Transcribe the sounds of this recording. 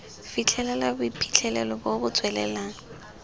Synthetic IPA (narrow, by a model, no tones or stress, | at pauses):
fit͡ɬʰɛlɛlabʊipʰi̥t͡ɬʰɛlɛlɔbobʊt͡sʼwɛlɛ̰laːŋ̩